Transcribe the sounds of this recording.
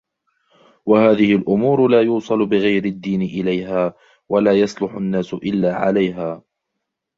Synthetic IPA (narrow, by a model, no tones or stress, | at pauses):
wahaːðɪhɪlʔʊmuːɾʊlaːjuːsˤɑlʊbɪɣajɾɪd̪ːiːnɪʔɪlajɦaː | walaːjɑsˤlʊħʊnːaːsʊʔɪlːaːʕa̰lajɦaː